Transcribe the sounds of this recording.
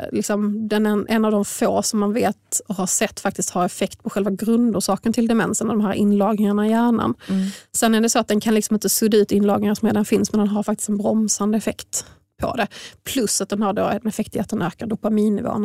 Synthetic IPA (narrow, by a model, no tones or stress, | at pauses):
lɪksɔmd̪ɛnɛʔɛnːavd̪ɔmfoːsɔmːanveːt̪ɔhaʂɛt̪ːfak̚t̪ɪst̪haɾɛfɛkt̪pʰɔɧɛlvaɡɾɵnd̪ʊʂɑːkənt̪ʰɪld̪ɛmɛ̰nsənavd̪ɔmɦæːɾʔɪ̰nlɑːɡnɪŋaɳaɪjæːɳa̰nsɛnːæɖɛsɔat̪̚d̪ɛnkʰanlɪksɔmɪnt̪əsɵd̪ːaʉ̟ːt̪ɪnlɑːɡnɪŋasmeːd̪ɛlnfɪnsmɛnd̪ɛnɦaɾfakt̪ɪ̥st̪ɛnbɾɔmsand̪əɛfɛkt̪ | pʰɔ̰d̪ɛpʰlɵsːat̪d̪ɛnhaɖoːɛnɛfɛkt̪jɛt̪ːənøːkaɖʊpamiːnːɪvo̰ːən